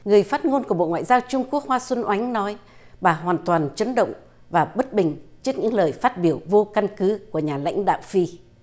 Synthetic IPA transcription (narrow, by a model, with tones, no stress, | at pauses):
ŋɨ˨˩əjfaː˦˥t̚ŋo˧nku˧˩ə˩ɓo̰˧˨ŋwa̰ː˧˨jzaː˧wt͡ɕʊ˧ŋ͡mku˦˥ək̚hwaː˧swə˧nʔwa˨˦jŋ̟nɔ˨˦j | ɓaː˨˩ɦwaː˨˩nt̪waː˨˩nt͡ɕə˨˦nɗə̰˧˨wŋ͡m | vaː˨˩ɓə˦˥t̚ɓï˨˩ŋ̟t͡ɕɨ˦˥k̚ɲɨ̰˧˥ŋləː˨˩jfaː˦˥t̚ɓi˧˩əwvo˧ka˧nkɨ˨˦ku˧˩əɲaː˨˩la̰˧˥jŋ̟ɗa̰ː˧˨wfi˧